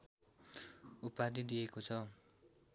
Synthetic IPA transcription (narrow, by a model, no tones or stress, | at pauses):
upːad̪id̪iekot͡sʰʌ